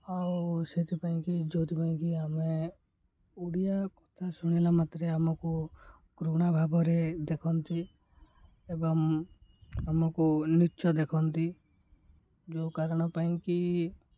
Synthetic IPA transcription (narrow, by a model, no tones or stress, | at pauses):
auset̪ipaĩkid͡ʒot̪ipaĩkiame | uɽijakɔt̪ʰasuɽ̃ilamat̪ɾeamɔku | kɾuɽ̃abʱabɔɾed̪ekʰɔnt̪i | ebɔŋ | amɔkunit͡ʃɔd̪ekʰɔnt̪i | d͡ʒokaɾɔɽ̃ɔpaĩki